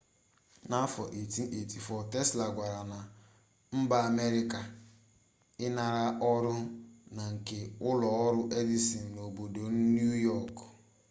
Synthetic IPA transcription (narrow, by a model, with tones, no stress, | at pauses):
na˦fɔ˨ʔe˨ti˦ʔe˨ti˨fɔ˨te˦sla˨ɡʷa˨ɾa˨na˨ | m̩˦ba˦a˨me˦ɾi˦ka˨ | ɪ˦na˨ɾa˦ʔɔ˦ɾʊ˦na˨ŋ̩˨ke˨ʊ˦lɔ˨ɔ˦ɾʊ˦ʔe˦di˦si˨n̩˨no˨bo˨do˨n̩˦nju˦jɔ˦˨k